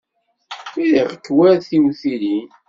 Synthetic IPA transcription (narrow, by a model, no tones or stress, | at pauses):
iðiʁəkːwæɾθiwθilin